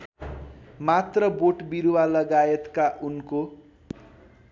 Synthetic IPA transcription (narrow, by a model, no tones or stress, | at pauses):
mat̪rʌboʈbiɾuwalʌɡaet̪kaʔunko